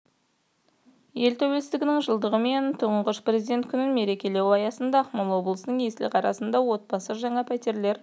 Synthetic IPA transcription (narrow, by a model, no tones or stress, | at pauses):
je̞lt̪ʰæwelsɪzɪɡʲɪnɪŋʒəlˠd̪əʁəme̞nt̪ʰʊʁəɴqəʃprʲezid̪ʲe̞nt̪̚kʲʰʏnɪnme̞ɾe̞kʲe̞le̞wɑjɑsənd̪ɑχmolˠwo̞blˠəsənəŋje̞sɪlqʰɑɾɑsənd̪ɑwo̞t̪̚bɑsəʒɑɴɑpʰæt̪eɾle̞ɾ